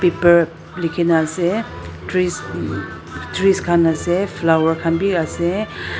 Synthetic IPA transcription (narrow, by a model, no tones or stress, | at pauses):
pepəɾ | likʰinase | tɾis | tɾiskʰanasepʰlawəɾkʰanbiase